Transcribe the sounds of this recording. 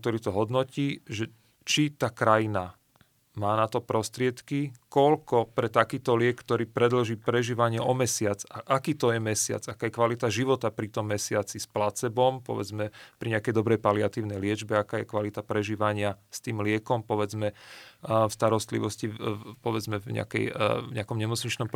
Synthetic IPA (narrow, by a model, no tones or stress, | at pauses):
t̪ɔɾiːt̪ɔɦɔd̪nɔciːʒɛ | t͡ʃit̪aːkɾajina | maːnat̪ɔpɾɔst̪ɾɪɛt̪kikɔlkɔpɾɛt̪akiːt̪ɔlɪɛkkːt̪ɔɾiːpɾɛd̪l̩ʒiːpɾɛʒiːʋaɲɪɛʔɔmɛsɪat͡saʔakiːt̪ɔjɛmɛsɪa̰d͡zakaːjɛkʋalit̪aʒiʋɔt̪apɾit̪ɔmːɛsɪat͡sisplat͡sɛbɔmpɔ̰ʋɛ̰d͡zmɛpɾiɲɛakɛjd̪ɔbɾɛjpaliat̪iːʊnɛjlɪɛd͡ʒbɛakaːjɛkʋalit̪apɾɛʒiːʋaɲɪast̪iːmlɪɛkɔmpɔʋɛd͡zmɛ | fst̪aɾɔst̪lḭʋɔscipɔʋɛd͡zmɛvɲɛ̰a̰kɛ̰jɲɛakɔmɲɛmɔt͡sɲit͡ʃnɔmp